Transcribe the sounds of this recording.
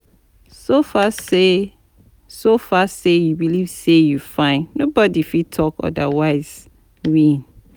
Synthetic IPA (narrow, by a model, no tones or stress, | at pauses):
sofase | sofasejubilivsejufãɪ̃nnobɔdifitʰɔkɔ̰dawaɪz̥ | wĩn